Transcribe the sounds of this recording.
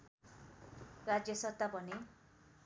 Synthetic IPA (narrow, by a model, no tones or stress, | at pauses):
rad͡zjʌsʌt̪abʱʌne